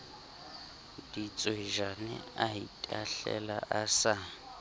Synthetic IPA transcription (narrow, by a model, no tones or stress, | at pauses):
d̥it͡sʼweʒanɪaitʼaɬɛ̰laʔasa